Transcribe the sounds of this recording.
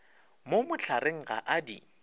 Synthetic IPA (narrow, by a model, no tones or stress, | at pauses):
momʊt͡ɬʰaɾeŋ̩ɣa̰ʔadḭ